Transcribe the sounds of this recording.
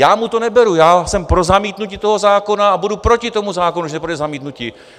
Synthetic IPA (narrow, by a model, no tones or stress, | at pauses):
jaːmut̪o̞nɛbɛɾujaːsɛmpɾo̞zamiːt̪nucɪt̪o̞ɦo̞zaːko̞naabudupɾo̞cɪt̪o̞muzaːkonuuʃnɛpɾodɛzamiːt̪nucɪ